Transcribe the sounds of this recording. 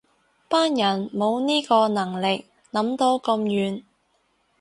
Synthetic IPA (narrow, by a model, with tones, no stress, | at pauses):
paː˥njɐ˨˩nmo˨˧wniː˥kɔː˧nɐ˨˩ŋlɪ˨k̚ | nɐ˨˥mt̪o˨˧wkɐ˧mjyː˨˩n